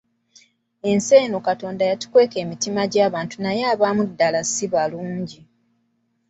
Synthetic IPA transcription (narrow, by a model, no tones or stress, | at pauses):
e̞nse̞ːnokato̞ːndajatu̥kwe̞ːke̞ːmitimaɟaːβaːntunajaːβaːmudːalasiβaluːɲɟi